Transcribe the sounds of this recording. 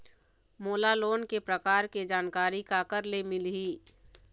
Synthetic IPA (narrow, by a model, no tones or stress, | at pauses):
moːlaloːnkepɾəkaːɾked͡ʒaːnkaːɾikakəɾlemɪlɦiː